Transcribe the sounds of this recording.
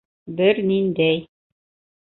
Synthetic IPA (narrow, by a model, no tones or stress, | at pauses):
bɘɾnind̪æj